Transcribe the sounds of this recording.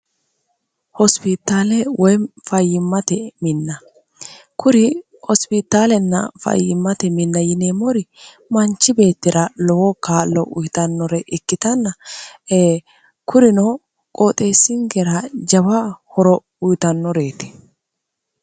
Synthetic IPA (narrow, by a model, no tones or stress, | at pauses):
hɔspɪt̪ːaːlɛwɔjfɐjːɪmːɐt̪ɛmɪnːɐ | kʊɾɪ | hɔspɪt̪ːaːlɛnːɐ̰fɐ̰jːɪmːɐt̪ɛmɪnːɐjɪneːmɔɾɪ | mɐnt͡ʃːɪbe̞ːt̪ːɪɾɐlɔwɔkaːlːɔʔʊjt̪ɐnːɔɾɛʔɪkːɪt̪ɐnːɐeː | kʰʊɾɪnɔ | kʼoːt̪ʼe̞ːsːɪŋɡɛɾɐd͡ʒɐβɐhɔɾɔ | ʊjt̪ɐnːɔɾeːt̪ɛ̥